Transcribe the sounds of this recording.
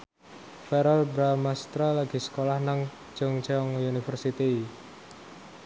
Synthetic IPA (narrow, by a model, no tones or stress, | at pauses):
fɛɾɔlbɾamast̪ɾalaɡ̥i̤sə̥kolahnaŋ | d͡ʒɔŋt͡ʃɔŋunifərsit̪i